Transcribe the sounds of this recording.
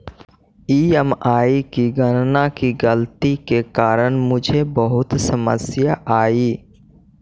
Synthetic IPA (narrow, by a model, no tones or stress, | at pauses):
iːɛmaːikiɡənnakiɡəlt̪ikekaːɾəñmʊd͡ʒʱebəɦʊt̪səmə̰sjaʔaːiː